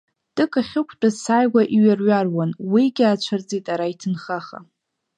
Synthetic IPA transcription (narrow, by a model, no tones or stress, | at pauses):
tʼɨkʰʼaχʲɪkʷʰt͡pʼazsajɡʷaʔiɥarɥarwanwiɡʲat͡ʃʷʰard͡zitʼaɾaitʰɨnχaχa̰